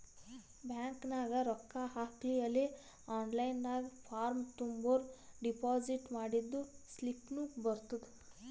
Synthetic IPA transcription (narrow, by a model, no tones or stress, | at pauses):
bʱjaːŋknaːɡaɾɔkːaɦaːkliɐle | aːnlajnd̪aːɡpʰaːɾmt̪umboɾɖipaːd͡ʒiʈmaːɽid̪ːuslipnuːkbəɾt̪ud̪